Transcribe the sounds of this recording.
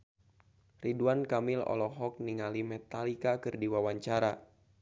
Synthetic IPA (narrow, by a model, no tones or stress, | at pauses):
riduankamilɔ̰lɔɦɔk̚niŋalimɛt̪alikakɨrdiwawaɲt͡ʃaɾa